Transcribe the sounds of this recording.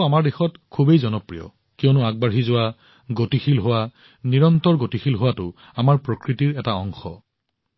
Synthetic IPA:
amaɹdexɔtkʰubejzɔnɔpɹijɔ̰ | kijɔnʊaɡ̚baɹɦizʊwa | ɡotixilɦʊwa | niɹɔntɔɹɡotixʰilɦʊwatʊ | amaɹpɹokɹitiɹɛtaɔŋxɔ̰

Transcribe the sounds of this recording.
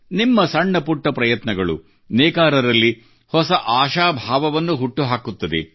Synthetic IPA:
nimːɐsɐɳːɐpuʈːɐpɾɐjɐt̪nɐɡɐɭṵ | nɛːkaːɾɐɾɐlːi | hɔsɐʔaːʃaːbʱaːʋɐʋɐnːuɦuʈːuɦaːkut̪ːɐd̪ḛ

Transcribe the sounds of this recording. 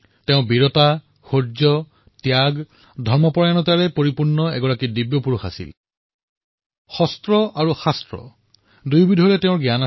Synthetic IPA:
tɛʊ̃biɹɔta | xoɹzɔ | tjaɡ | dʱɔɹmɔpɔɹajanɔtaɹɛpoɹipuɹnːɔɛɡɔɹakidibjɔpuɹuxa̰sḭl | xɔstɹɔʔaɹuxastɹɔ̰ | dujbidʱɔlɛtɛʊ̃ɹɡjana

